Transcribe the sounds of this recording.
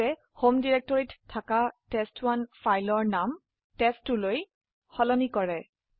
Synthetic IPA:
ɛ | homdiɹɛk̚tɔɹitʰːakatɛstwanfajlɔɹnam | tɛstʊloj | xɔlɔnikɔɹɛ

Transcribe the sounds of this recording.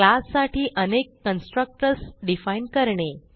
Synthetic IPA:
klasːaʈiːʔənekːənsʈɾək̚ʈəɾsɖifainɖkəɾɳe

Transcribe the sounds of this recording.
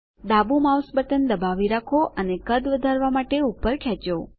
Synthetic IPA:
d̪abumawsbəʈənd̪əbaʋiɾakʰoʔənekəd̪ʋəd̪ʱaɾʋamaʈeupːəɾkʰjɛt͡ʃo

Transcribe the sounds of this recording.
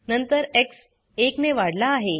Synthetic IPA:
nənt̪əɾeks | ekneʋaɽlaːɦe

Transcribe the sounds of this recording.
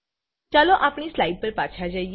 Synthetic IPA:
t͡ʃaloʔapɳ̃islaiɖ̚pəɾpaːt͡ʃʰad͡ʒai

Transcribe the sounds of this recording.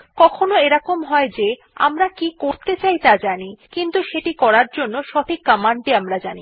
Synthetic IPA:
kɔkʰonoeɾakomɦɔed͡ʑe | a̰mɾakikoɾt̪et͡ɕajt̪ad͡ʑanikint̪uʃeʈikɔɾaɾd͡ʑonːoʃɔt̪ʰikːamaɳʈiamɾad͡ʑani

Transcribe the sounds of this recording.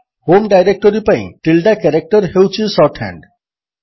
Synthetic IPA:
homɖajɾek̚ʈoɾipaj̰̃ʈilɖakɛɾek̚ʈoɾhewt͡ɕʰisɔʈhɛ̰ɳɖ

